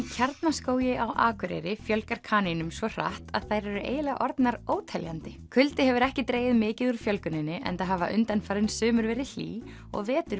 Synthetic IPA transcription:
icʰaɾt̪naskoːwjɪawʔa̰ːkʰʏɾɛ̰ɾɪfjœlkaɾ̥kʰaːninʏmsvɔr̥a̰ht̪a̰ð̥θajɾɛɾʏʔḛːjlɪɣaʔɔɾt̪naɾoːwt̪ʰɛljant̪ɪkʰʏlt̪ɪhɛvʏɾɛhcɪt̪ɾeːjɪðmɪːcɪðuɾ̥fjœlkʏnɪnːɪʔɛ̰nt̪aɦavaʔʏnt̪anfaːɾɪnsʏːmʏɾvɛːɾɪl̥ḭː | ɔ̰ɣvɛːt̪ʏɾ

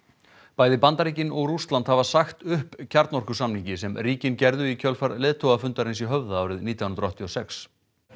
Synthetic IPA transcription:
paːjðɪpant̪aɾiːcɪnɔɣɾust̪lant̪havasaxt̪ʏhpcʰaɾt̪nɔrkʏsamniŋcɪsɛmɾiːcɪncɛɾðʏicʰœlfaɾlɪːðt̪ʰoɣafʏnt̪aɾɪnsiɦœvðaaːwɾɪðniːt̪jawnɾɔht̪ʰːiɔsɛks

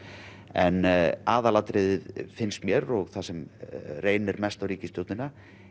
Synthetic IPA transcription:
ɛ̰naːðalat̪ɾeðɪðfɪnst̪mjɛɾɔɣθasɛmreːjnɪɾmɛst̪awɾiːcɪst̪jowt̪nɪnːa

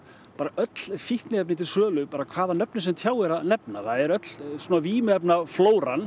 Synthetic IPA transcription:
ppaːɾaʔœt̪l̥fihknɪɛpnɪt̪ʰɪlsœːlʏpaːɾakʰv̥aːðanœpnɪs̬ɛmt̪ʰjaːwɛɾaðnɛpnaθaðɛɾœt̪l̥suːnaviːmɪɛpnafloːwɾan

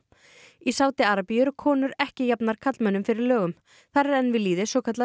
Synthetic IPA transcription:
isaːwt̪ɪaɾapijʏɾkʰɔːnʏɾɛhcɪjapnaɾ̥kʰat̪lmœnʏmfɪɾɪɾlœːɣʏm | θarɾɛnvɪliːðɪsɔːkʰat̪l

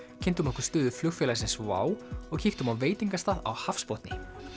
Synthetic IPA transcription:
cʰɪnt̪mɔhkʏɾ̥st̪ʏːðʏflʏɣfɛlasɪnsva̰ːwɔɣcʰiːkt̪hʏmawveːjt̪iŋkast̪aða̰whafspɔht̪nɪ

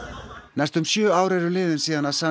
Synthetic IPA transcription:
nɛst̪ʏmsjœːaːwɾɛɾʏlɪːðɪnsiːðanasa

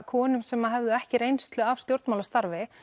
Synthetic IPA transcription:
kʰɔːnʏmsɛmaɦɛvðʏɛhcɪɾejnst̪lʏav̥st̪jowɾt̪mawlast̪aɾvɪ

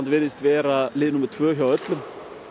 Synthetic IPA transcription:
nt̪vɪnɪst̪vɛːɾalɪːðɪnumːʏɾ̥t̪ʰvœːçawœt̪lʏm

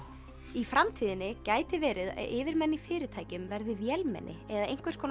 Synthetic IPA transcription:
ifɾamt̪ʰiːðɪnɪcaːjt̪ɪvɛːɾɪðɪːvɪɾmɛnːifɪːɾɪt̪ʰaːjcʏmvɛɾðɪvjɛlmɛ̰nʔɪ̰ɛðaejŋ̥kvɪɾ̥skʰɔːn

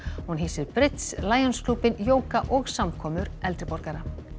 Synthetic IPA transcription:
hunɦiːsɪɾpɾɪt̪slaːjɔnskʰluːpɪnjoːwkaʔɔɣsamkʰɔːmʏɾɛlt̪ɾɪpɔɾkaɾa

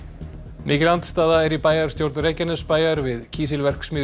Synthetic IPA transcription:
mʔɪːcɪlant̪st̪aːðaɛɾipaːjaɾ̥st̪jowɾt̪nɾejcanɛspaːjaɾvɪðcʰiːs̬ɪlvɛr̥ksmɪː

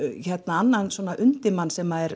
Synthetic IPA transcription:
çɛt̪naanːanswɔnaʔʏnt̪ɪmansɛmaðɛɾ

